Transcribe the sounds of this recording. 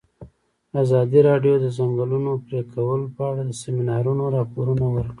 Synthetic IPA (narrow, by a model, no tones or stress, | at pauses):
azɑd̪iɾɑɖjod̪əzaŋɡəlunopɾekʰawəlopəaɽad̪əseminɑɾunoɾɑpoɾunawəɾki